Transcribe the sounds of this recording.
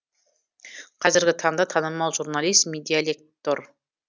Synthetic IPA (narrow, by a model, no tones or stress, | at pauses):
qʰɑzɪɾɡʲɪt̪ʰɑɴd̪ɑt̪ʰɑnəmɑwʒuɾnalˠijst̪mʲed̪ialʲek̚t̪or